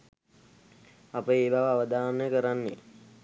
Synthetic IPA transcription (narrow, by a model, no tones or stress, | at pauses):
apəeːbaʋəaʋəd̪aːnːəkəɾanːe